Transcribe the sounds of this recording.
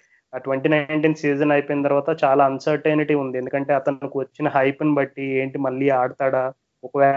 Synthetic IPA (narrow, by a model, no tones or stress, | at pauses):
aːʈʋeɳʈiːnɐjɳʈiːnsiːd͡ʒɐnɐjpoːjinɐt̪ɐɾʋaːt̪ɐt͡ʃaːlaːɐnsɐɾʈeniʈiund̪iend̪ukɐɳʈe̞ːɐt̪ɐnikiʋɐt͡ʃːinɐɦɐjpɐnbɐʈːieːɳʈimɐɭːiːaːɽɐt̪aːɽaː | ɔkɐʋɛː